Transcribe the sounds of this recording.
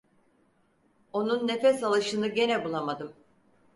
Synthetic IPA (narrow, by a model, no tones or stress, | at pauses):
o̞nunːe̞fɛsalˠɯʃɯnɯɟe̞nɛbulˠamad̪ɯm